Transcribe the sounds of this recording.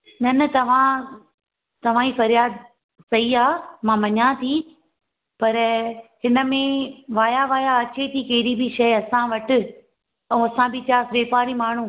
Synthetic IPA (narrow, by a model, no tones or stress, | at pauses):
nɐnɐt̪ɐʋ̤ã | t̪ɐʋ̤ãːiːfɐɾjaːd̪ | sɐɦiaːmãmɐɲãt̪ʰi | pɐɾɦɪnə̆mẽʋaːjaʋaːjaɐt͡ɕet̪ʰikɐɦɪɾibʱiʃɐɐsãʋɐʈɪ̆ | ɛ̃ːɐsãbʱɪtʰjaːsʋeːpaːɾimaːɳ̤u